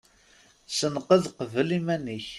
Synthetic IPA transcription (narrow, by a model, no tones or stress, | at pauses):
sənqəðqəvəlimænəç